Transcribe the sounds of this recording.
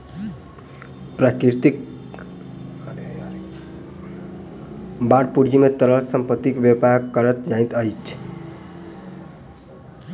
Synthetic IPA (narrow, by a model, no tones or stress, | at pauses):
pɾakiɾt̪ik | baɽpuɾd͡ʒimet̪əɾəlsəmpət̪ːikbjəpakːʌɾət̪d͡ʒaĩt̪əjt͡ʃʰ